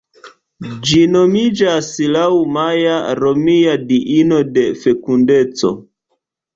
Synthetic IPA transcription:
d͡ʒinomid͡ʒaslawmajaɾo̞miadiʔino̞de̞fe̞kunde̞t͡so̞̰

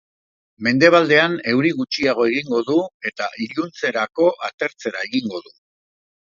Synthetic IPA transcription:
me̞nd̪e̞β̞ald̪e̞ane̞wɾiɣut͡ʃiaɣ̞o̞e̞ɣ̞iŋɡo̞ðue̞t̪aʔiʎunt͡se̞ɾako̞ʔat̪e̞ɾt͡se̞ɾae̞ɣiŋɡo̞ðu

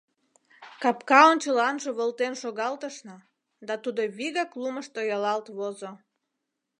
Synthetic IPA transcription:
kɑpkɑont͡ɕəlɑnʒəβəlt̪enʃoɣɑlt̪əʃnə | d̪ɑt̪ud̪oβiɣɑkluməʃt̪ojɑlɑlt̪βozo

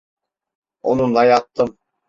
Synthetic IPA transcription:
o̰nund̪ɑjɑt̪ːɤm

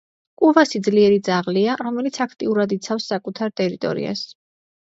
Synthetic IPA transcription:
kʼuvasid̪zliɛɾid̪zaʁliaɾɔmɛlit̪sʰakʰt̪ʼiuɾad̪it̪sʰafsːakʼut̪ʰaɾt̪ʼɛɾit̪ʼɔ̰ɾḭa̰s

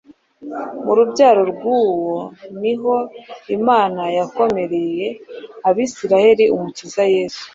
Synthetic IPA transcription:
muɾubɟaːɾo̞ɾɡwuːwo̞niɦo̞imaːnajako̞me̞ɾe̞je̞aβiːsiɾahe̞ɾiumutizaje̞ːsu̥

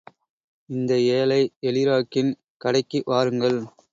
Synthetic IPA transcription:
ɪnd̪ɐeːlɐɪɛlɪɾaːkːɪn | kɐɽɐɪkːiʋaːɾɯŋɡɐɭ

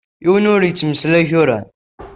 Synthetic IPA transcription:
iwənʊɾjət͡sːməslæçʊɾæ̰n

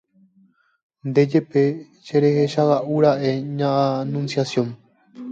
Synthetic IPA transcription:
nd̪e̞d͡ʒe̞pe̞ | ʃeɾeheʃawaʔuɾaʔeɲãʔanũnsjasjõn

